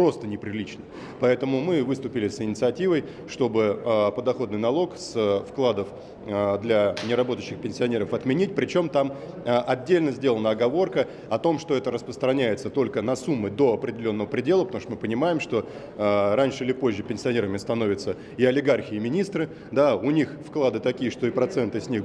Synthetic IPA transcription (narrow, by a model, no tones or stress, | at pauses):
pɾo̞st̪ənʲɪpɾʲɪlʲit͡ɕnə | pɐɛt̪əmʊmɨvɨst̪ʊpʲɪlʲɪsɪnʲɪt̪sɨɐtʲivəj | ʂt̪o̞bɨəpəd̪ɐxo̞d̪nɨjnɐlˠo̞ksfklˠad̪əf | d̪lʲanʲɪɾɐbo̞t̪əɕːɪxpʲɪnʲsʲɪɐnʲe̞ɾəfɐt̪mʲɪnʲit̚ʲpɾʲɪt͡ɕo̞mt̪am | ʔɐdʲːelʲnəzʲdʲelˠənəɐɡɐvo̞rkə | ɐt̪o̞mʂt̪o̞ɛt̪əɾəspɾəst̪ɾɐnʲæjɪt̪sət̪o̞lʲkənɐsumːɨd̪o̞ɐpɾʲɪdʲɪlʲonːəvəpɾʲɪdʲe̞lˠəpət̪ɐmuʂt̪mɨpənʲɪmajɪmʂt̪o̞ | ɾanʲʂɨɪlʲɪpo̞ʑʲːɪpʲɪnʲsʲɪɐnʲe̞ɾəmʲɪst̪ɐno̞vʲɪt̪sə | ɪɐlʲɪɡarxʲɪːmʲɪnʲist̪ɾɨ | d̪aʊnʲixfklˠad̪ɨt̪ɐkʲijəʂt̪o̞ɪpɾɐt̪sɛnt̪ɨsʲnʲix